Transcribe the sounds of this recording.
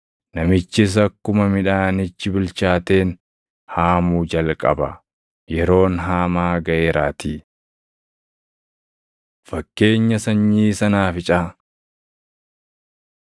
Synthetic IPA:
nɐmɪt͡ʃːɪs̬ɐkːʊmɐmɪᶑaːnɪt͡ʃːɪbɪlt͡ʃaːt̪e̞ːn | haːmuːd͡ʒɐlkʼɐ̰bɐ | jɛɾo̞ːnɦaːmaːɡɐʔeːɾaːt̪iː | fɐkːe̞ːɲːɐsɐɲːiːsɐnaːfɪt͡ʃʼaː

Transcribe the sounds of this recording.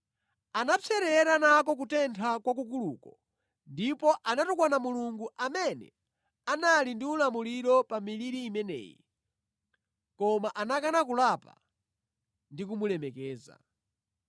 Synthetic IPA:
anat͡sʰɛɾɛɾanakɔk̬utɛntʰakwak̬ukuluːkɔ | ndipɔʔanatukwanamuluŋɡuʔamɛnɛ̰ | analindiulamuliɾɔpamiliɾiːmɛnɛ̰ːjḭ | kɔmaʔanakanakulapa̰ | ndikumulɛmɛkɛːza̰

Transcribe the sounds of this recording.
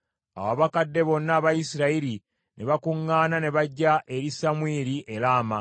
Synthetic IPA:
a̰waβakadːe̞βo̞nːaːβajisiɾaiɾi | nʔe̞βakuŋːaːnane̞βaɟːaʔe̞ɾisamwiːɾiʔe̞ɾaːma

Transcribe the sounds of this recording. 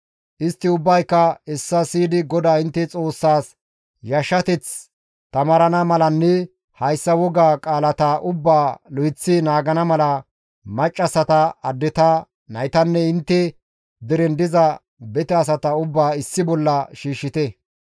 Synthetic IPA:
ʔɪst̪ːɪʊbːɐjkːɐɛsːɐsiːd̪ɪɡɔd̪aːɪnt̪ːɛt͡sʼo̞ːsːaːs | jɐʃːɐt̪ɛt͡s | t̪ɐmɐɾɐnɐmɐlɐnːɛ | hɐjsːɐwɔɡaːkʼaːlɐt̪aʔʊbːaːlɔjɪt͡sːɪnaːɡɐnɐmɐlɐ | mɐt͡ʃʼːɐsɐt̪ɐɐd̪ːɪt̪ɐ | nɐjt̪ɐnːɛɪnt̪ːɛ | d̪ɪɾɛnd̪ɪzɐ | bɛt̪ɛɐs̬ɐt̪ɐʊbːaːɪsːɪbɔlːɐʃiːʃːɪt̪ɛ

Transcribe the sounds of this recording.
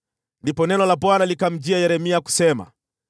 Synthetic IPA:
ndipɔnɛnɔlapwanalikam̩d͡ʒiajɛɾɛmiaku̥sɛma̰

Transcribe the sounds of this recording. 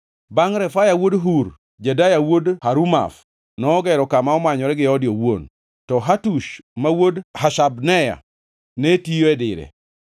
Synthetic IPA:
baŋɾɛfajawodɦuɾ | d͡ʒadajawodhaɾuma̰f | nɔːɡɛɾɔkamaɔmaɲɔɾɛɡɪɔdjowon | tɔɦatuʃmawodhaʃabnɛja̰ | netijoɛdɪɾɛ̰

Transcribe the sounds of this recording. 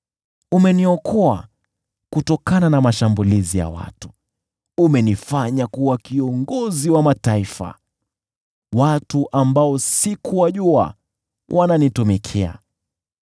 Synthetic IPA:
umɛniɔkʰɔa | kutɔkananamaʃambulizija̰wa̰tu̥ | umɛnifaɲakuwakiɔŋɡɔziwamataifa̰ | watuʔambaɔsikuwaʄua̰ | wʔananitumɛkʰɛa̰

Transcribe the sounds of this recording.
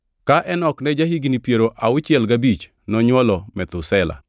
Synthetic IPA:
kaʔɛnɔknɛd͡ʒahiɡnipjeɾoʔaʊt͡ʃɪɛlɡabit͡ʃ | nɔɲwɔlɔmɛt̪ʊsɛla̰

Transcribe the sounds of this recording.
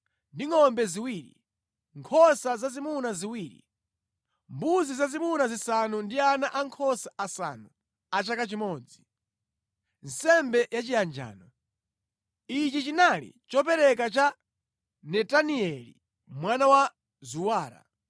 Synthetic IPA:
ndiŋɔmbɛziwiːɾḭ | ŋkʰɔsazazimunaziwiːɾḭ | mbuzizazimunazisanundianaʔaŋkʰɔsaʔasa̰nu | at͡ʃakat͡ʃimɔːd͡zi | n̩sɛmbɛjat͡ʃijand͡ʒa̰ːnɔ | it͡ʃit͡ʃinalḭt͡ʃɔpɛɾɛk̬at͡ʃa | nɛtaniɛlḭ | mwanawa | zuwaːɾa̰

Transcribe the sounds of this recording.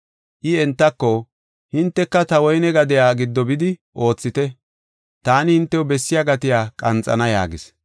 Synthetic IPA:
ʔɪɛnt̪ːɐkːɔ | hɪnt̪ːɛkːɐt̪ɐwɔjnɛɡɐd̪ɪjaːɡɪd̪ːɔbɪd̪ɪʔo̞ːt͡sːɪt̪ɛ | t̪aːnɪhɪnt̪ːɛwʊbɛsːɪjaɡɐt̪ɪjaːkʼɐnt͡sʼɐ̰nɐjaːɡɪs

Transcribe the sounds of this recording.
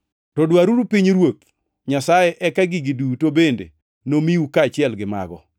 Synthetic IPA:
tɔdwaɾuɾupiɲɾwok | ɲasajeʔɛkaɡɪɡidutobendḛ | nomiukaːt͡ʃɪɛlɡɪma̰ɡɔ̰

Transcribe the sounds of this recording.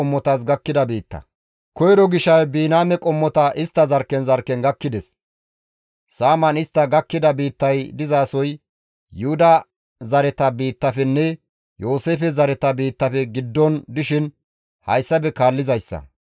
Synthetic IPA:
ɔmːɔt̪ɐs̬ɡɐkːɪd̪ɐbiːt̪ːɐ̰ | kɔjɾɔɡɪʃɐjbiːnaːmɛkʼɔmːɔt̪ɐʔɪst̪ːɐzɐɾkːɛnzɐɾkːɛnɡɐkːɪd̪ɛs | saːmɐnɪst̪ːɐɡɐkːɪd̪ɐbiːt̪ːɐjd̪ɪzaːsɔj | jʊhʊd̪ɐ | zɐɾɛt̪ɐbiːt̪ːɐfɛnːɛ | jo̞ːseːfɛzɐɾɛt̪ɐbiːt̪ːɐfɛɡɪd̪ːɔnd̪ɪʃɪn | hɐjsːɐbɛkaːlːɪzɐjsːɐ̰

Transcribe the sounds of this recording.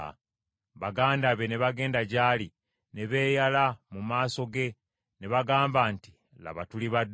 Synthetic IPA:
βaɡaːndaβe̞ne̞βaɡe̞ːndaɟaːli | ne̞βe̞ːjalamumaːso̞ɡe̞ | neβaɡaːmbaːnti̥ | la̰βatuliβad

